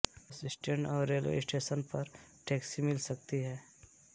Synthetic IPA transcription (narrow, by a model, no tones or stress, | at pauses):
əsɪsʈə̃ɳʈɔːɾːeːlʋḛɪsʈeːʃənpɐɾʈeːksimɪlsɐk̚t̪iɦɛː